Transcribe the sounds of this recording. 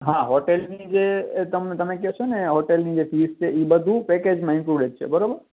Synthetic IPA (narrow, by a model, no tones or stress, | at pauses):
ɦãɦoʈelnid͡ʒet̪əmt̪əmek̬ɛʃʰoneɦoʈelnid͡ʒefʰist͡ʃʰeʔibəd̪ʱũpeked͡ʒmaɪ̃kɾuɖẽʈ̚t͡ʃʰḛbəɾobəɾ